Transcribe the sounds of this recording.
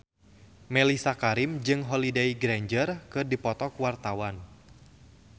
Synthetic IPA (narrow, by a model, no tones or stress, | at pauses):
mɛlisakaɾimd͡ʒɨŋɦɔlidɛjɡɾɛɲd͡ʒərkɨdipɔt̪ɔkuwart̪awan